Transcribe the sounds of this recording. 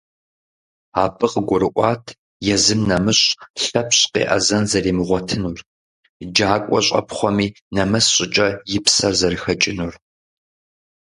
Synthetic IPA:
aːbʰɨqʼɡʷʊɾɨʔʷɑːtʰ | jɛzɨmnɐmɨɕʼɬɐpʰɕqḛːʔɐ̰zɐnzɐriːmɨʁʷɔtʰɨnur | d͡ʒaːkʷʼɔɕʼɐ̰pχʷɔmiː | nɐmɐsɕʼɪt͡ʃʼɐjɪpsɐrzɐrɨxɐt͡ʃʼɪnur

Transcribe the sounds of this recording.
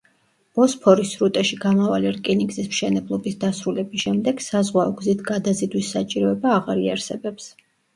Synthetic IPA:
b̥ɔspʰɔɾisɾut̪ʼɛʃiɡamavaliɾkʼiniɡzismʃɛnɛblˠɔbisd̪asɾulɛbisʃɛmd̪ɛɡ̥sazʁwaɔɡzit̪ʰɡ̥ad̪azid̪wisːat͡ʃʼiɾɔɛbaːʁaɾia̰ɾsɛbɛps

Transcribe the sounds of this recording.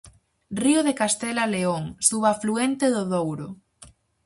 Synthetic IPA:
rioðekast̪ɛlaleoŋsuβafluent̪eðoðowɾʊ

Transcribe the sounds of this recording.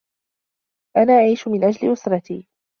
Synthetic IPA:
ʔanaːʔaʕiːʃʊmɪnʔad͡ʒlɪʔʊsɾˤɑt̪iː

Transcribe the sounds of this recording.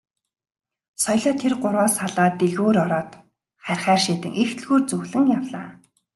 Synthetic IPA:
sɔjɮɔːt̪ʰerɢʊrwaːsaɮaːt̪eɣoːɾɔɾɔːt̪ | χærʲχæːrʃiːt̪ɘ̆ŋʔixt̪ɮɣuːrt͡sɵɣɮɘ̆ŋjawɮaː

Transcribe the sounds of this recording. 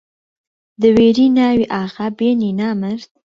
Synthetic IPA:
d̪əweɾinɑwiʔɑɣabeninɑməɾt̪̚

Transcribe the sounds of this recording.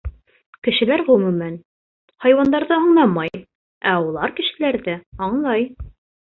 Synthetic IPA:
kɘ̆ʃɘ̆læɾʁɵmɵ̆mæn | hɑjwɑnd̪ɑɾðɤɑɴlˠɑmɑj | æulˠɑɾkɘ̆ʃɘ̆læɾðɘɑɴlˠɑj

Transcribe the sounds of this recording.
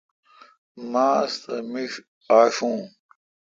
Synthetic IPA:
maːst̪ɐmiɕ | aːɕũː

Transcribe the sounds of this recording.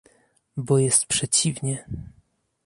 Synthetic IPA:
bɔjɛst̪pʂɛt͡ɕivɲɛ

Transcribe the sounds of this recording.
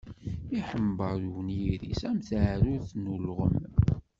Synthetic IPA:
iħəmbɑɾˤðwənjiɾḭsæmθʕɾʊɾθnulʁə̰m

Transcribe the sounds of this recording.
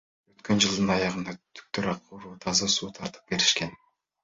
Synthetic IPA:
øt̪kø̞nd͡ʒɨlˠd̪ɯnɑjɑʁɯnd̪ɑt̪yt̪ʰy̥k̚t̪ʰøɾɑqʰuɾuːt̪ʰɑzɑsuːt̪ʰɑɾt̪ɯ̥p̚ɡe̞ɾi̥ʃke̞n

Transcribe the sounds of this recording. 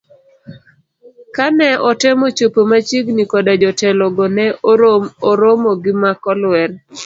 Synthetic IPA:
kanɛʔɔtemot͡ʃopomat͡ʃiɡnikɔdad͡ʒɔtɛlɔɡɔnɛ | oɾomoɡɪmakɔlwɛn

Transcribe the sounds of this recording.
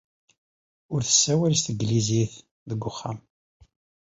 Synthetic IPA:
ʊɾθə̥sːæwælst̪əɡliziθ | ðəɡːʊχːam

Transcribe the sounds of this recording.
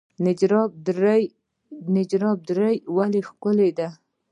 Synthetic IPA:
nɪɾd̪ɾ | nɪd͡ʒɾɑb̚d̪ɾajwalexkʊled̪a

